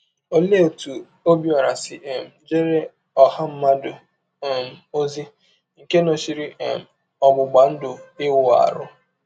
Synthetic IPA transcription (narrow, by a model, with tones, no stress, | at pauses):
o˦le˦o˨tu˨ | o˦bi˦a˨ɾa˨sɪ˨ʔe˨m̩˨d͡ʒe˦ɾe˦ | ɔ˨ha˦m̩˦ma˦do˨ | e˨m̩˨o˦zi˦ | ŋ̩˨ke˦no˨ʃi˨ɾi˦ʔe˨m̩˨ | ɔ˨ɡ͡bʊ˨ɡ͡ba˨n̩˦dʊ˨ɪ˦wʊ˨a̰˨ɾʊ˦